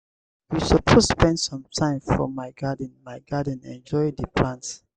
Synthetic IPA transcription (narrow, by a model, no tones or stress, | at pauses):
wisəpʰospɛ̃ndsɔ̃mtʰãɪ̃mfɹɔ̰maɪɡadə̃nmaɪɡadə̃nɛ̰̃nd͡ʒɔɪdəplãnt